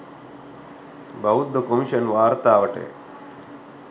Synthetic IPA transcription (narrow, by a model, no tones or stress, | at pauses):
bʱɐut̪̚d̪əkomiɕənʋaːɾt̪aːʋəʈḛ